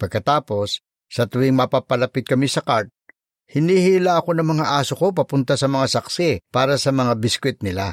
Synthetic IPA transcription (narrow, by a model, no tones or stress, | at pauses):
pɐɡ̚kɐt̪aːpo̞sː | ɐt̪ʊɪŋmapapɐlɐpɪt̪̚kɐmisɐkaɹt̪̚ | hɪnihilaʔɐko̞nɐŋmɐŋaʔaːsoko̞p̬ɐpʊnt̪asɐmɐŋasɐksɪpaːɾɐsɐmɐŋabɪskwɪt̪̚nɪla